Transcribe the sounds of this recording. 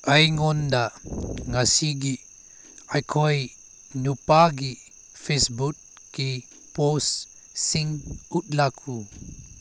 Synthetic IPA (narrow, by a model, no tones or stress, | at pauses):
ajŋɔndaŋasiɡi | ajkʰɔj | nupaɡi | fesbut | ki | pos | siŋut̚lakʰu